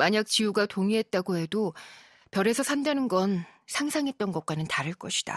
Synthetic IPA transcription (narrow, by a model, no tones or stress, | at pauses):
maɲak̚t͡ɕijuɡatoŋiɦe̞t̚t͈aɡoɦe̞do | pjʌɾe̞sʰʌsʰandanɯnɡʌnsʰaŋsʰaŋɦe̞t̚t͈ʌnɡʌk̚k͈anɯntaɾɯɭk͈ʌɕʰi̥d̥a̰